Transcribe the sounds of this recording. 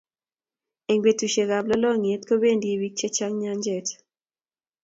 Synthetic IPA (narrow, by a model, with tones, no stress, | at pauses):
e˨ŋɡwe˨tu˨ʃe˨ɡa˨blɔ˦lɔ˦ŋe˦t̪ko˦be˦˨ndi˦e˨wi˦k̚t͡ʃe˦t͡ʃa˦ŋɲa˦ɲd͡ʒɛ˦˨t